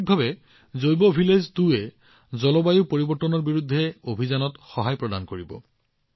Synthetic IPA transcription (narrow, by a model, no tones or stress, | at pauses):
k̚bʱabɛ | zojbɔːbʱileztuɛ | zɔlɔbajupoɹibɔɹtːɔnɔɹbiɹudʱːɛobʱizanɔtxɔɦajpɹɔda̰nkoɹibɔ̰